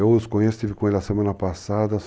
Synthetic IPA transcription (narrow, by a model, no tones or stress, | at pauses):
ewʊskõɲest̪ivɪkõelɪɐsemɐ̃nɐpasad̪ɐ